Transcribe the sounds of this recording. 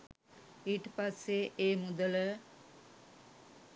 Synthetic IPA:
iːʈəpasːeeːmud̪ələ

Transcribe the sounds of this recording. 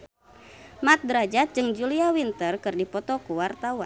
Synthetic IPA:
mat̪̚dɾad͡ʒat̪̚d͡ʒɨŋd͡ʒuliawint̪ərkɨrdipɔt̪ɔkuwart̪awan

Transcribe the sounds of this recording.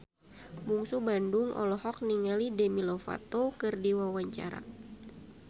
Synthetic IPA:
muŋsubanduŋʔɔ̰lɔhɔk̚niŋalidɛmilɔfa̰t̪okɨrdiwawaɲt͡ʃa̰ɾa̰

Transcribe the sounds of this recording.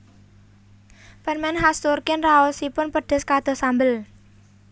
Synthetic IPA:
fərmɛnɦast̪ʊrkɪnraɔsipʊnpəɖ̥əskad̪̥ɔ̤sambəl

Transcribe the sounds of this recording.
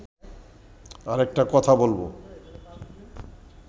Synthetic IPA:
aɾɛk̚ʈakɔt̪ʰabolbo̰

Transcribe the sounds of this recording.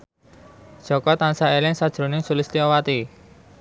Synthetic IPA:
d̥ʒ̥ɔ̤kɔt̪ansaelɪŋsad̥ʒ̥ɾo̤nɪŋsulɪst̪iɔwat̪i

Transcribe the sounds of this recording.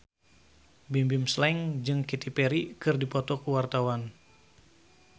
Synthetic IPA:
bimbimslɛŋd͡ʒɨŋkit̪ipeɾikɨrdipɔt̪ɔkuwart̪awan

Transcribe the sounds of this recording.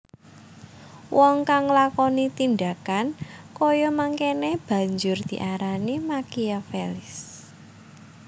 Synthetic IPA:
wʔɔŋkaŋlakɔnit̪ind̪akankɔjɔmaŋkeneb̥ä̤ɲd͡ʒʊrd̪̥i̤ʔaɾanimakiafelɪs

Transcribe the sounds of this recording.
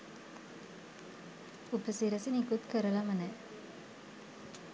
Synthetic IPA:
upəsiɾəsinikut̪kəɾəlamənɛ

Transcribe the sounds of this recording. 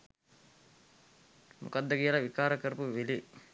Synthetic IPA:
mṵkad̪ːəkijəlaʋikaːɾəkəɾəpuʋili

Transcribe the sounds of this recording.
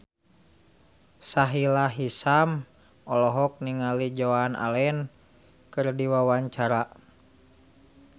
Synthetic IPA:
saɦilaɦisam | ɔlɔɦɔk̚niŋalid͡ʒɔana̰lɛn | kɨrdiwawaɲt͡ʃaɾa

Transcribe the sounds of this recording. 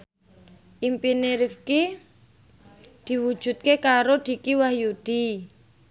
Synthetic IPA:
ʔimpineɾifki | d̪̥i̤wu̥ʒ̥ṳt̪̚kekaɾod̪̥i̤kiwahjud̪̥i

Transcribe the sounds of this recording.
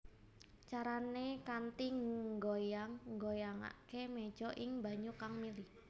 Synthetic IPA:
t͡ʃaɾanekant̪iŋŋɡojaŋɡojaŋa̰keme̥d͡ʒ̥ɔʔɪŋba̤ɲukaŋmilih

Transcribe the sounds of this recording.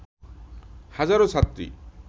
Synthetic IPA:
hazaɾosat̪ɾḭ

